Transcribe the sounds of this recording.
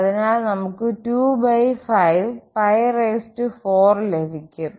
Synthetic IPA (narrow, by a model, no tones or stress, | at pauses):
ɐðinaːɭnɐmukːɨtuːbɐjfɐjʋpɐjreːstɨfoːrlefikʲːu